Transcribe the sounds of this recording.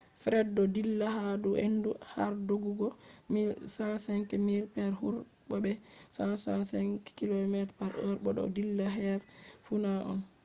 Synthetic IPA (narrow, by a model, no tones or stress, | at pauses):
fɾɛdːɔdilːahaduʔenduha̰ɾdoɡuɡɔmilsasɛŋkɛmilpɛɾhuɾ | ɓɔbɛsasasɛŋkɛ̥kilomɛtpaɾʔɔɾbɔɗɔ̰dilːaɦɛɾfunaʔɔ̰n